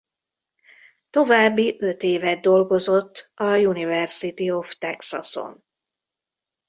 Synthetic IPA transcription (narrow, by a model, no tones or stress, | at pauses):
t̪o̞vaːbːiʔøt̪eːvɛd̪̚ːo̞lɡo̞zo̞t̪ʰːɒjunivɛrsit̪io̞ft̪ɛksɒso̰n